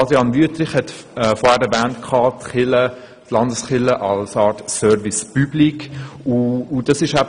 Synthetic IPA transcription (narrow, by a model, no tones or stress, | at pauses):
ɑd̪ɾiɑnvyətɾɪχhɛtɛfɔːɾhæːɾɛvæːntkʰɑːtχɪlə | tlɑndəsχɪləʔɑlsɑːɾtsœɾvispyblikuːd̥ɑsɪʃæ